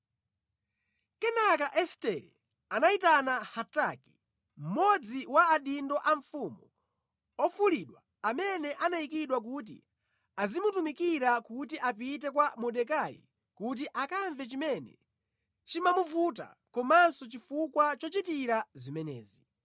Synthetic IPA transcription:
kɛnakaʔɛstɛɾɛ | anaitanahataki̥ | m̩mɔd͡ziwaːɗindɔʔaɱ̩fumu | ɔfuliɗwa | amɛnɛʔanaikiɗwak̬ut̬ḭ | azimutumikiɾakut̬iʔapit̬ɛkwamɔɗɛk̬ajḭ | kut̬iʔakaɱvɛt͡ʃimɛnɛ̰ | t͡ʃimamuvut̬a̰kɔmansɔt͡ʃifukwat͡ʃɔt͡ʃitiɾazimɛnɛ̰ːzi

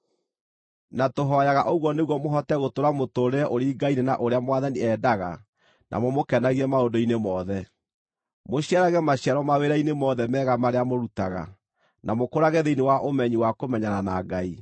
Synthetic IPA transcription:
natoɦɔjaɣaʔoɣwɔneɣwɔmoɦɔtɛɣotoɾamotoːɾeɛʔoɾiːɡainenaʔoɾeamwaðaniɛːdaɣa̰ | nʔa̰mɔmokɛnaɣiɛmaodoinemɔðɛ | moɕiaɾaɣɛmaɕiaɾɔmaweɾainemɔðɛmɛɣamaɾeamoɾutaɣa̰ | nʔamokoɾaɣɛðeinewaʔomɛɲiwakomɛɲananaɡai

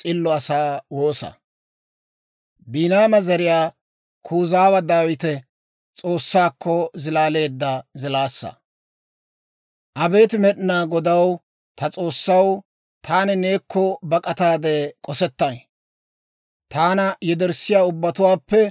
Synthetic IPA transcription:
t͡sʼɪlːɔɐsaːwo̞ːsɐ̰ | biːnaːmɐzɐɾɪjaː | kʰuːzaːwɐd̪aːwɪt̪ɛ | t͡sʼo̞ːsːaːkːɔzɪlaːle̞ːd̪ːɐzɪlaːsːɐ̰ | ʔɐbe̞ːt̪ɪmɛɗɪnaːɡɔd̪ɐw | t̪ɐt͡sʼo̞ːsːɐw | t̪ʰaːnɪne̞ːkʰːɔbɐkʼɐt̪aːd̪eːkʼɔsɛt̪ːɐn | t̪aːnɐjɛd̪ɛɾsɪjaːʊbːɐt̪ʊwaːpːɛ

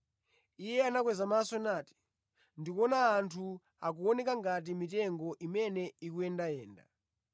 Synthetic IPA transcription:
ijɛanak̬wɛzamasɔnaːti̥ | ndikɔnaːntʰu | ak̬uɔnɛkaŋɡat̬imitɛŋɡɔʔimɛnɛikuɛndajɛːnda̰

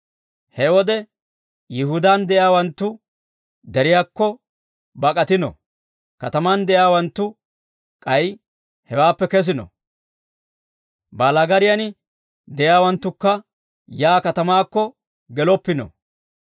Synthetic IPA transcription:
hɛwɔd̪ɛ | jɪɦʊd̪and̪ɛjaːwɐnt̪ːʊ | d̪ɛɾɪjaːkːɔ | bɐkʼɐt̪ɪnɔ̰ | kɐt̪ɐmand̪ɛjaːwɐnt̪ːʊ | kʼɐj | hɛwaːpːɛkɛs̬ɪnɔ̰ | baːlɐɡɐɾɪjɐn | d̪ɛjaːwɐnt̪ːʊkːɐ | jaːkɐt̪ɐmaːkːɔ | ɡɛlɔpːɪnɔ̰

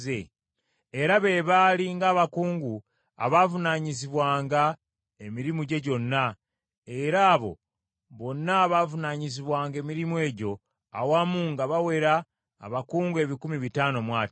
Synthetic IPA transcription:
e | eɾaβe̞βaːliŋɡaːβakuːŋɡu | a̰βavunaɲiziβwaːŋɡa | e̞miɾimuɟe̞ɟo̞nːa | e̞ɾaːβo̞̰ | βo̞nːaːβaːvunaɲiziβwaːŋɡe̞ːmiɾimwe̞ːɟo̞ | a̰wamuŋɡaβawe̞ɾaː | βakuːŋɡue̞βikumiβitaːno̞mwaːt

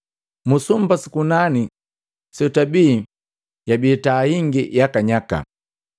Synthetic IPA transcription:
musumbasikunani | sɛutabiː | jabiːtahiŋɡijakaɲaka̰

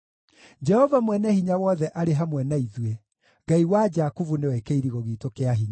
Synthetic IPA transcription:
d͡ʒɛhɔvamwɛnɛhiɲawɔðɛʔaɾeɦamwɛnaiðuwe | ɡaiwad͡ʒakuvunewɛkeiɾiɣɔɣitokeaɦiɲa

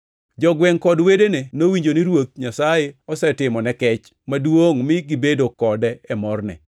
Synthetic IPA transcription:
d͡ʒɔɡwɛŋkɔdwedenenowiɲd͡ʒoniɾwok̪̚ɲasajeɔsɛtɪmɔnɛkɛt͡ʃ | madwoŋmɪɡɪbedokɔdɛːmɔrnɛ̰

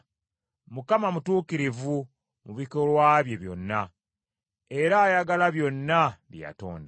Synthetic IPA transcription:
mukamamutuːkiɾivu | muβikolwaβje̞βjo̞̰nːa | e̞ɾaːjaɡalaβjo̞nːaβja̰to̞̰ːnda

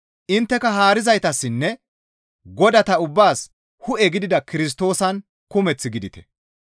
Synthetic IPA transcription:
ʔɪnt̪ːɛkɐɦaːɾɪzɐjt̪ɐsːɪnːɛ | ɡɔd̪ɐt̪ɐʊbːaːs | hʊʔɛɡɪd̪ɪd̪ɐkɪɾɪs̬t̪o̞ːsɐn | kʊmɛt͡sːɪɡɪd̪ɪt̪ɛ̥̰

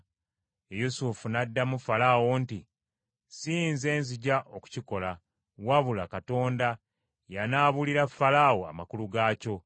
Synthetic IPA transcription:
ejusufunadːamufalawonti | siːnze̞ːnziɟaʔoku̥ciko̞la | waβulakato̞ːnda | janaːβuliɾafalawoa̰makuluɡaːco̞

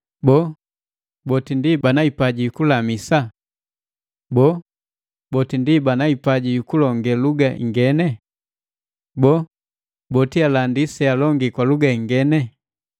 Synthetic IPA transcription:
bɔ | bɔtindibanaipaɟijukulamisa | bɔ | bɔtindibanaipaɟijukulɔŋɡɛluɡaʔḭŋɡɛnɛ | bɔ | bɔtialandisɛalɔŋɡikwaluɡaiŋɡɛnɛ

